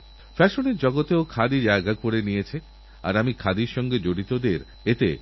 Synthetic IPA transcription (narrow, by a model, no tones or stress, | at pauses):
fɛʃoneɾd͡ʑɔɡot̪eokʰad̪id͡ʑaeɡakoɾenijet͡ɕʰe | a̰ɾamikʰad̪iɾʃɔŋɡed͡ʑoɽit̪od̪eɾ | et̪ḛ